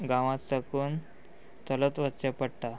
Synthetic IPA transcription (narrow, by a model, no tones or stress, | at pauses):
ɡãʋasakuːn | t̪ələt̪ʋətt͡ɕapəɽʈa